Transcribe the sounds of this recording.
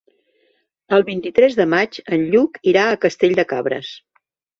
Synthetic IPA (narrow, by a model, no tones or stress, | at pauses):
əlˠβint̪it̪ɾɛzðəmad͡ʒənʎukiɾaəkəst̪eʎʲd̪əkaβɾə̰s